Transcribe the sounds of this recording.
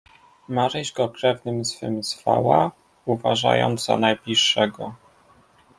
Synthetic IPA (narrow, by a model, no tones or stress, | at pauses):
maɾɛʑɡɔkɾɛvnɘmzfɘmzva̰wa | uvaʐa̰jɔ̰nd̪za̰najblʲiʂːɛɡɔ